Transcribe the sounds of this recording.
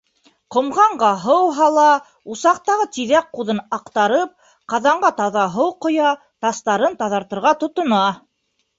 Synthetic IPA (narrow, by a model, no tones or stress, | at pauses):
qŏmʁɑɴɢɑɦɤwɦɑlˠɑ | usɑq̚t̪ɑʁɤt̪iðæq̚quðɤnɑqt̪ɑɾɤp̚ | qɑðɑɴɢɑt̪ɑðɑɦɤwqŏjɑ | t̪ɑst̪ɑɾɤnt̪ɑðɑɾt̪ɤ̆ɾʁɑt̪ŏt̪ŏnɑ